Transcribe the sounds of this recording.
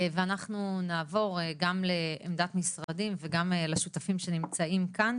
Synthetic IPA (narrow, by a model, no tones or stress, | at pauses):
veanaχnunaːvo̞ʁɡamle̞̰ːmd̪at̪misʁad̪imveɡamleʃut̪afimʃe̞nimt͡saimkan